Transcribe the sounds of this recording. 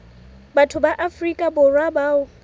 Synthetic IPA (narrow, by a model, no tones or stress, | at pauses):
batʰʊbaʔafrikʼabʊrwabaʊ